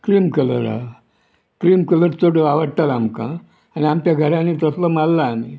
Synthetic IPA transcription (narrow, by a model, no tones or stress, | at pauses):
kɾimkələ̰ɾa̰ | kɾiːmkələɾt͡soɽəaʋəɽt̪alamkã̰ | aniamt͡ɕjaɡʱəɾãnit̪əsləmallaːmi